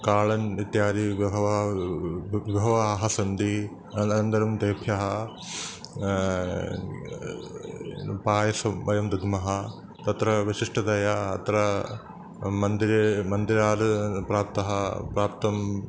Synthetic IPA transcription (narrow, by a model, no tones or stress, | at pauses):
kaːɭɐnit̪jaːɾiʋʱɐʋɐ | ʋibʱɐʋɐaːɦɐsɐnd̪i | ɐnɐnd̪ɐɾɐmd̪eːpʰjɐɦɐ | paːjɐsɐmʋɐjɐmd̪ud̪ʱmɐɦɐ | t̪ɐt̪ɾɐʋiʃiʂʈɐd̪ɐjɐːt̪ɾɐ | mɐnd̪iɾemɐnd̪iɾaːɾpɾaːp̚t̪ɐɦɐpɾaːpt̪ɐm